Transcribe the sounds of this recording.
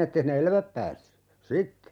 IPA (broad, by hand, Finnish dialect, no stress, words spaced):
etːei sinːe elæʋæp pæːsːy sitːe